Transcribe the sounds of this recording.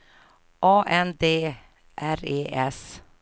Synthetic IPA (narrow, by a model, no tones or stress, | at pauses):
ʔɑːʔɛnd̪eː | ʔæɾeːʔɛs